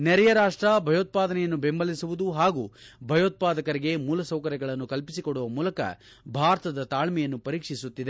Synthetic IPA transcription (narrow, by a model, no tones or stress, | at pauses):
nɛɾɛjɐɾaːʂʈɾɐbʱɐjoːt̪̚paːd̪ɐnɛjɐnːubembʱɐlisuʋud̪uɦaːɡuːbʱɐjoːt̪̚paːd̪ɐkɐɾiɡe̞muːlɐsɐwkɐɾɛɡɐɭɐnːukɐlpisikoɽuʋɐmuːlɐkɐ̰ | bʱaːɾɐt̪ɐd̪ɐt̪aːɭmɛjɐnːupɐɾiːkʂisut̪ːid̪e̞